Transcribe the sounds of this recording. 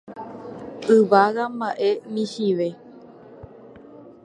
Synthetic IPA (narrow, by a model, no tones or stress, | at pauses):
ɨʋaɣambaʔemĩhiʋe